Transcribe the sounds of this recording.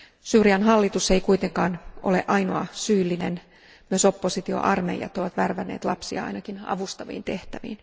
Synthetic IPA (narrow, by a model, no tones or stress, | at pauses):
syːriɑnɦɑlːit̪useikuit̪eŋkɑːnʔo̰lḛʔɑinoɑsyːlːinen | myøso̞pːosit̪io̰ʔɑrmejɑ̰t̪ːoʋɑt̪ʋærʋænːḛːt̪lɑpsiɑ̰ɑ̰inɑkinɑ̰ʋust̪ɑʋḭːnt̪e̞ht̪æʋḭːn